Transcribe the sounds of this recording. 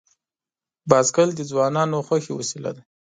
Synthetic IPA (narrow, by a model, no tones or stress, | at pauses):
bɑzɡəld̪əd͡zwɑnɑnoxaxewasila̰d̪a